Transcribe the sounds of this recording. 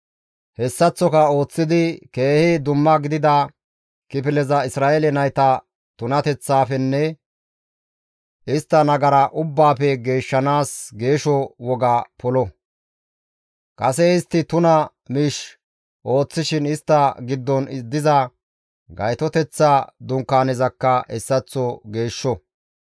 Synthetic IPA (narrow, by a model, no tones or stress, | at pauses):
hɛsːɐt͡sːɔkɐo̞ːt͡sːɪd̪ɪke̞ːhɪd̪ʊmːɐɡɪd̪ɪd̪ɐ | kɪpɪlɛzɐɪsɾaːʔelɛnɐjt̪ɐ | t̪ʊnɐt̪ɛt͡sːaːfɛnːɛ | ʔɪst̪ːɐnɐɡɐɾɐʔʊbːaːpɛɡe̞ːʃːɐnaːsɡe̞ːʃɔwɔɡaːpɔlɔ | kʼɐsɛɪst̪ːɪt̪ʊnɐ | miːʃ | ʔo̞ːt͡sːɪʃɪnɪst̪ːɐɡɪd̪ːɔnɪd̪ɪzɐ | ɡɐjt̪ɔt̪ɛt͡sːaːd̪ʊŋkːaːnɛzɐkːɐɛsːɐt͡sːɔɡe̞ːʃːɔ